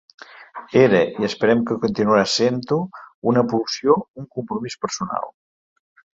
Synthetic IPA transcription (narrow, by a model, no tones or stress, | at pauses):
eɾəiəspəɾɛmkəkunt̪inuaɾasent̪uunəpulsjouŋkumpɾumispəɾsuna̰lˠ